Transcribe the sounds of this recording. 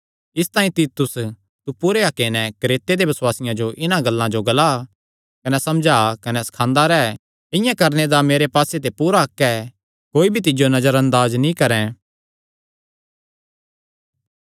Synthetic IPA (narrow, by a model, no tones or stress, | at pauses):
ɪst̪ãːĩt̪iːt̪ʊs | t̪upʊɾeɦɐkːenɛkɾeːt̪ed̪ebɐswaːsɪjãd͡ʒoʔɪnãɡɐlːãd͡ʒoɡɐla | kɐnɛsɐmd͡ʒaːkɐnɛsɐ̥kʰãːnd̪aɾɛː | ɪ̃jãkɐɾned̪ameːɾepaːset̪̬epuːɾaɐkːɛ | koːibʱit̪̬ɪd͡ʒjonɐd͡ʒəɾɐ̃nd̪aːznĩkɐɾɛ̃